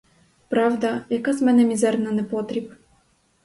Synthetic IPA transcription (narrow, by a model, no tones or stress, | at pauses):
pɾɑwd̪ɐjɐkazmɛnɛmʲizɛrnɐnɛpɔt̪ɾʲib